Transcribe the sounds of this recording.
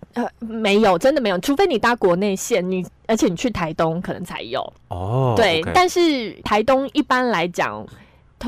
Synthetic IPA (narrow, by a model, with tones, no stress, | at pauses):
ə˧˩me˧˥˦ɪjo˨˩ʊʈ͡ʂə˦nd̪ə˨me˧˥jo˨˩ʈ͡ʂʰu˧˥fe˥ɪni˨˩t̪a˥˩kwɔ˧˥ne˥˧ɪɕjɛ˥˨˩nni˨˩ə˞˧˥t͡ɕʰjɛ˧˦ni˨˩t͡ɕʰy˥˩t̪ʰa˧˦ɪt̪ʊ˦ŋkʰɤ˨˩nə̰˧˦ŋt͡sʰa̰˧˥ɪjo̰˨˩ʊt̪we˥˩ɪt̪a˥˧nʂɻ̩˥˩t̪ʰa˧˥ɪt̪ʊ˥ŋi˥˩pa˦nla˧˦ɪt͡ɕjɑ̰˨˩ŋ | t̪ʰ